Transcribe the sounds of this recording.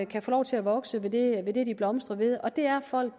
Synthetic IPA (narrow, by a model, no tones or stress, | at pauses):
kʰæfoːlɒ̰ʊt͡sʰe̝læʋɒ̽ɡ̥səʋe̝d̥e̝ʋe̝d̥e̝d̥ib̥lɒ̽msd̥ʁɐʋe̝ð̞ˠɒ̽d̥e̝æɐfɒ̽l̰ɡ̥